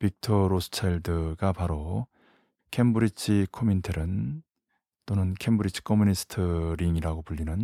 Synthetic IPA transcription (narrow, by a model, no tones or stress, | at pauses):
pik̚tʰʌɾosʰɯ̥t͡ɕʰeɭdɯɡapaɾo | kʰembuɾit͡ɕʰikʰomintʰeɾɯn | t͈onɯnkʰembuɾit͡ɕʰi̥kʰʌmunisʰɯ̥tʰɯɾiŋiɾaɡopuʎːinɯn